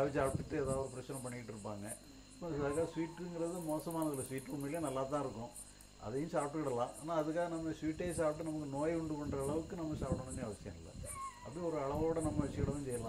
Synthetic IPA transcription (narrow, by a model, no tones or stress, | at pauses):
aʋɐssaːpt̪ːɯʈːɯeːðaːʋɔɾɯpɪɾɐt͡ʃːɪnɐ̃mpɐɳːɪkːɪʈːɯɾɯpːaːŋɡɐ | pːõɐkːaːɐsʋiːʈːŋɡɪɾɐðɯmoːsɐmaːnɐðɯlɐsʋiːʈːʊmɪlɐnɐlːaːt̪̬ãːɪɾɯkːʊ̃ | ʔɐ̰ðɐjʊ̃saːp̚ʈːɯkɪɽɐlãːʔaːnaːɐðɯkːaːɣɐnɐmːɐsʋiːʈːeːsaːp̚ʈːɯnɐmɐkːɯnoːjʊɳɖɯkɐɳɖɾɐːɭɐʋɯkːɯnɐmːɐsaːpʈɐɳɐmeːɐʋɐsɪjɐ̰̃mɪ̰lːɐ̰ɐ̰ðɯɔɾɯɐɭɐʋoːɽɐnɐmːɐʋɪsɪjɐɽɐʋɐnt͡ɕɛjːɐlã̰